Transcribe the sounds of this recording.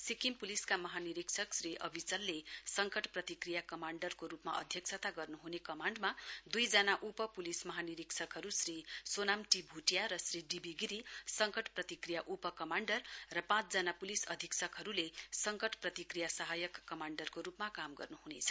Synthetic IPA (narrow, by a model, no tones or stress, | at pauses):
sikimpuliskamʌɦaniɾiksʰʌksriʔʌ̰bʱit͡sʌlːesʌŋkʌʈprʌt̪ikrijakʌmaɳɖʌrkoɾupmaʔʌ̰d̪ʱjʌk̚sʰʌt̪aɡʌrnuɦunekʌmaɳɖmad̪ujd͡zanaʔupʌpulismʌɦaniɾiksʰʌkɦʌɾusrisonamʈibʱuʈjaɾʌsriɖibʱiɡiɾisʌŋkʌʈprʌt̪ikrijaʔupʌkʌmaɳɖʌrːʌpãt͡sd͡zanapulisʌd̪ʱiksʰʌkɦʌɾulesʌŋkʌʈprʌt̪ikrijasʌɦajʌkːʌmaɳɖʌrkoɾupmakamɡʌ̰rnuɦunet͡sʰʌ̥